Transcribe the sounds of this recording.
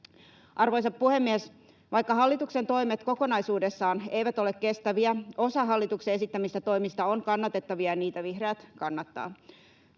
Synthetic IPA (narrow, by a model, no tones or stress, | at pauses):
ʔɑrʋo̞jsɑppuhe̞mːies | ʋɑjkːɑɦɑlːit̪ukse̞nt̪o̞imet̪ko̞ko̞nɑisuːdesːɑːne̞jʋæt̪o̞le̞kke̞st̪æʋiæo̞sɑɦɑlːit̪uksee̞sit̪ːæmist̪æt̪o̞imist̪ɑoŋkɑnːɑt̪e̞t̪ːɑʋiɑjniːt̪æʋihreæt̪kɑnːɑt̪ːɑ̰ː